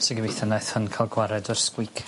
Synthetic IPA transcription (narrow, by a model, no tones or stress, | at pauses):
sɪɡəvejθənaθhənkʰalˠɡwaɾɛdɔrskwɪkʰ